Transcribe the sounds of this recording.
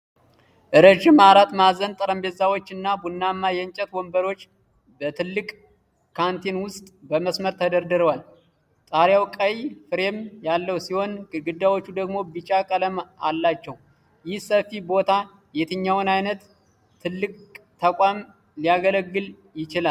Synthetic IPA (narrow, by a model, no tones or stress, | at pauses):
ʔɨɾəʒɪmaɾat̪mazənt̪ʼəɾəmbezawot͡ʃːɨnːabunːamːajɛnt͡ʃʼɛt̪wɔmbəɾo̞t͡ʃː | bət̪ʰɨlːɨkʼ | kʰant̪ʰinwʊst̪ʼbəməsməɾt̪ʰəd̪əɾd̪ɨɾəwal | t̪ʼaɾjawkʼəjfɨɾe̞mjalːəwsiho̞nɨɡɨd̪ːawo̞t͡ʃːud̪əɡmo̞bɨt͡ʃʼakʼələmalːat͡ʃːɛw | jɪhsəfːibo̞t̪ʰa | jet̪ʰɨɲːawʊnajnət̪ʰː | ɨlːɨkʼt̪ʰəkʷʼam | lijaɡələɡːɨl | jɪt͡ʃɪlal